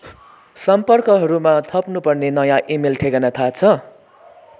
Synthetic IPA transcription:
sʌmpʌrkʌɦʌɾumat̪ʰʌpnupʌrnenʌjãʔimelʈʰekʌnʌt̪ʰat͡sʰʌ

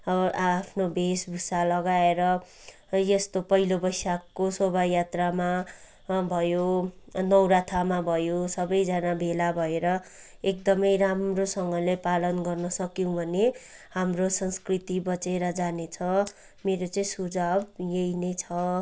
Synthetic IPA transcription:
ʌbʌʔaːpʰnobʱesbʱusalʌɡaeɾʌ | jʌst̪opʌɦilobʌjsakːosobajat̪rama | bʱʌjo | nʌwɾat̪ʰamabʱʌjosʌbʌjd͡zanabʱelabʱʌeɾʌ | ek̚d̪ʌmʌjɾamrosʌŋɡʌlepalʌnɡʌrnʌsʌkjuw̃bʱʌne | hamrosʌnskrit̪ibʌt͡seɾʌd͡zanet͡sʰʌ | meɾot͡sʌĩsud͡zabjejnʌjt͡sʰʌ

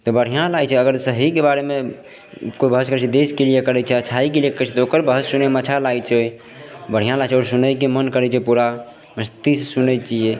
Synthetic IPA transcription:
t̪ɔbəɽ̤ijãlajt͡ʃʰɛəɡəɾsəɦikebaɾeme | koibʱəɦəskəɾɛt͡ʃʰɛd̪eskelijekəɾɛt͡ʃʰɛət͡ʃʰaikeliekəɾt͡ʃʰɛt̪ɔokəɾbʱəɦəsːunemət͡ʃʰalaɡt͡ʃʰɛj | bəɽ̤ijãlat͡ʃʰɛɔːɾsunəjkemənkəɾɛt͡ʃʰɛpuɾa | məst̪issunət͡ʃije

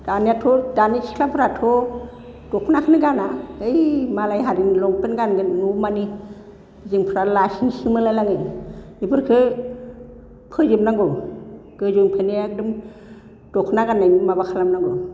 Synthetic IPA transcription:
d̥anijatʰɔdanikʰi̥kʰlabɯɾatʰɔ | d̥ɔkʰnakʰɯnɯɡanaɯjmalajɦaɾinlɔŋpɯnɡanɡɯnumani | ziŋpʰɾaɾlasiŋsimɯlalaŋɯjibɯɾkʰɯ | pʰɯzimnaŋɡɔɡ̥ɯzuŋpʰɯneak̚dɯm | d̥ɔkʰnaɡanajnimabakʰalamnaŋɡɔ

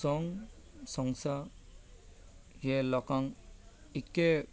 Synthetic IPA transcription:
sɔŋ | sɔŋsa | jɛlɔkaŋike

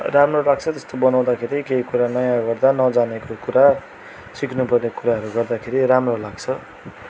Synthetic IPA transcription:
ramrolaɡ̚t͡sʰʌt̪ʌst̪obʌnaw̃d̪akʰeɾikeikuɾanʌjãɡʌrd̪anʌd͡zanekokuɾa | siknupʌrnekuɾaɦʌɾuɡʌrd̪akʰeɾiɾamrolaɡt͡sʰʌ

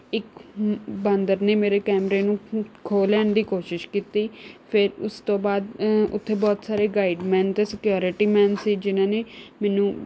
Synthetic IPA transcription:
ɪk | bãnd̪əɾneːmeːɾeːkɛːmɾeːnũːkʰoːlɛːnd̪iːkoːʃɪʃkiːt̪iːpʰɪɾʊst̪õːbaːd̪ʊ̰t̪ʰːeːbɔːt̪saːɾeːɡaːiɖmɛ̃ːnt̪eːsɪkjoːɾɪʈiːmɛ̃ːnsiːd͡ʒɪnãːneːmɛːnũː

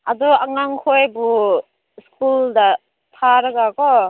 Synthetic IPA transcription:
adɔaŋaŋkʰojbu | skulda | t̪ʰaɾaɡakɔ

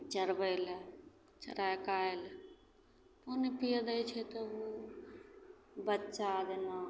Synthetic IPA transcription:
t͡ʃəɾbəl | t͡ʃə̰ɾajkael | ponepijəd̪əjt͡ʃʰɛt̪ɔo | bətːʃad̪ena

